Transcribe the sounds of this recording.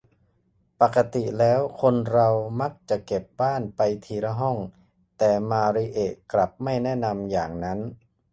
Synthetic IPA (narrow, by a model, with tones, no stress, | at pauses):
pa˨˩kːa˧t̪i˨˩lɛː˦˥wkʰo˧nɾa˧wma˦˥k̚t͡ɕa˨˩ʔke˨˩p̚baː˥˩npa˧jt̪ʰiː˧ɾa˧ɦɔ˥˩ŋ | t̪ɛː˨˩maː˧ɾi˧ʔeː˨˩kla˨˩p̚ma˥˩jnɛ˥˩na˧mjaː˨˩ŋna˦˥n